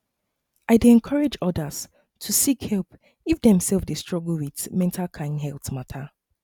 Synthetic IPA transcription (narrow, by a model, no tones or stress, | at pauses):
aɪdeɛ̃nkʰɔɹed͡ʒɔdəs | tʰusikhɛlˠp | ifdɛ̃msɛlˠfdestɹ̥ɔɡl̩widmɛ̃ntʰalkʰãɪ̃ndɦɛlˠθmatʰa